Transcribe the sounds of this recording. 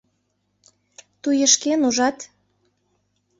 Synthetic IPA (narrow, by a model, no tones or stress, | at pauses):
t̪ujə̆ʃkenuʒɑt̪